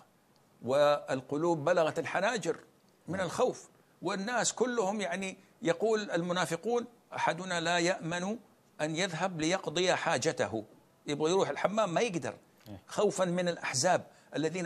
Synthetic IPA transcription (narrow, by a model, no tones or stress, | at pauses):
wɪɪlqʊluːbːalaɣat̪alħanaːd͡ʒɪɾ | mɪnɪlxawf | wɪnːaːskʊlːʊhʊmjaʕni | jɑquːlalmʊnaːfɪquːn | ʔaħad̪ʊnalajaʔmanu | ʔanjɪðɦablɪjɑqd̪ˤɨjaħaːd͡ʒat̪a̰hʊ | jɪbɣajɾuːħɪlħamːaːmːajɪɡd̪ɑ̰ɾˤ | xawfanmɪnɪlʔaħzaːb̚ | ʔalːaðiːn